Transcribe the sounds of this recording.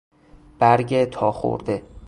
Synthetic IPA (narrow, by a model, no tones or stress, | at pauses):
b̥æɾɟet̪ʰɒːxo̰ɾd̪e